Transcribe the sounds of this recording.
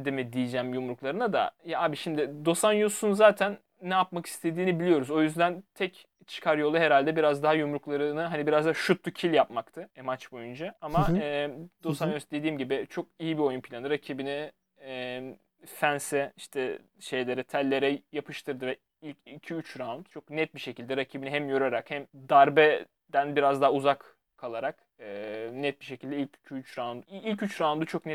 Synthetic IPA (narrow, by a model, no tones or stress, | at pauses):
d̪emid̪ijid͡ʒæmjumɾuklˠaɾɯnad̪a̰jaaːbiʃimd̪ɪd̪o̞sanjusunzaːt̪ʰænː | ɛjapmaki̥st̪ʰe̞d̪iːnibilʲijo̞ɾuzo̞jyzd̪ænt̪ʰɛc | t͡ʃʰɯ̥kʰaɾjo̞lˠuɦe̞ɾalʲd̪ɛbiɾazd̪aɦajumɾuklˠaɾɯnɯɦanibiɾazd̪aɦaʃut̪lucʰilʲjapmakt̪ʰɯmat͡ʃbo̞jund͡ʒaamaɛd̪o̞sanjosd̪e̞d̪iːmɟibɪt͡ʃʰo̞k̚ijibio̞junpʰilʲanɯɾacʰibinɪ | ɛ | fænsɛiʃt̪ʰɛ | ʃe̞jlʲe̞ɾɛt̪ʰælʲːe̞ɾɛjapʰɯʃt̪ʰɯɾd̪ɯvɛ | ilʲcicʰyyt͡ʃɾaand̪t͡ʃʰo̞knɛt̪̚biʃe̞cʰilʲd̪ɛɾacʰibiniɦɛmjøɾaɾakhɛmd̪aɾbɛ | d̪ænbiɾazd̪aɦauzak | kʰːalˠaɾak | ɯːnɛt̪̚biʃe̞cʰilʲd̪ɛilʲcy̥cʰyyt͡ʃɾand̪uilʲcyt͡ʃɾaand̪ut͡ʃʰo̞knɛ